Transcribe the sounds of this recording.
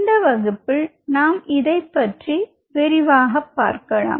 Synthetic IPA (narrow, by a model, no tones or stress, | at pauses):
nd̪ɐʋɐɣɯpːɪl | naːmɪðɐɪpːɐʈri | ʋɛɾɪʋaːɣɐpːa̰ːɾkɐɭa̰ːm